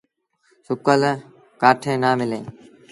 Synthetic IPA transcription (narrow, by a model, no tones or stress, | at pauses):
sʊkələ | kaːʈʰẽːnaːmɪlẽː